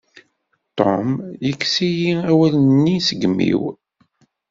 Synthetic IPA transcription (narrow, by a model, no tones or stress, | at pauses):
t̪ɔmjəkːsijiæwælnːisəɡmːḭw